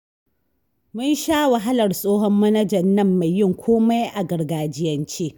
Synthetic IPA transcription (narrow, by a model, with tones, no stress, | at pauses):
mʊ˦nʃaː˦wɐ˨ɦa˦lɐ˨rsʼoː˦ɦɔ˦mːɐ˦nɐ˦d͡ʒɐ˨nːɐ˦mːa˨jːɪ˦ŋkʷʰoː˦ma˦jʔa˨ɡɐ˨rɡaː˨d͡ʒɪ˦jɐ˨nt͡ʃeː˦ʔ